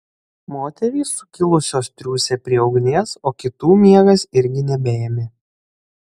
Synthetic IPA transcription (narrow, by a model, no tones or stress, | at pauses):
moːt̪ʲɛɾʲiːsʊkʲɪlˠʊsʲoːst̪ʲɾʲuːsʲɛpʲɾʲiɛɒʊɡnʲeːsoːkʲɪt̪uːmʲiɛɡɐsɪɾʲɡʲɪnʲɛbʲeːmʲe